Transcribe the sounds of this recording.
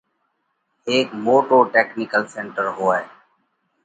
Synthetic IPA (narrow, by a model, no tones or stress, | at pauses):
eːkmoːʈoːʈeːknɪkəlsẽːɳʈəɾɦoːaːeː